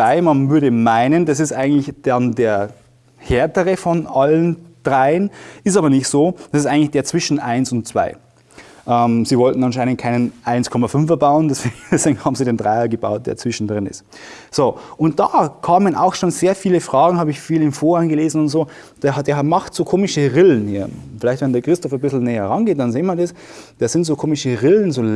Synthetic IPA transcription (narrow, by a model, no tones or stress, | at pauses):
aɪmanvʏɐɾəmaɪnənd̥asɪstʔaɪɡŋ̩tlɪçd̥andeːɐ | heːɐtəʁəfɔnʔalənd̥ʁaɪənɪstaːbɐnɪçtz̥oːd̥asɪstʔaɪɡŋ̩tlɪçd̥eːɐt͡sv̥ɪʃn̩ʔaɪnsʊnt̚t͡sv̥a̰ɪ | ʔɛmz̥iːvɔltn̩ɑnʃaɪnəntkʰaɪnənʔaɪnskʰɔmafʏnfɛɐbaʊəndɛsv̥eːɡŋd̥ɛsv̥eːɡŋ̩haːbm̩ziːdeːndʁaɪɐɡəba̰ʊt̚d̥eːɐt͡sv̥ɪʃn̩dʁɪnɪ̰st | z̥oːʔʊnt̚d̥aːkʰaːməna̰ʊxʃoːnz̥eːɐfiːləfʁ̥aːɡŋ̩haːbɪçfiːlɪmfoːɐanɡəleːzn̩ʊntz̥oː | d̥ed̥eːmaxtz̥oːkʰoːmɪʃəʁɪln̩hḭːɐfɪlaɪçtv̥ɛndeɐkʁ̥ɪstɔfɐbɪsl̩nɛːɐɛʁanɡeːt̚d̥anzeːmɐdɛs | d̥eːz̥ɪntz̥oːkʰoːmɪʃəʁɪlən̩zoː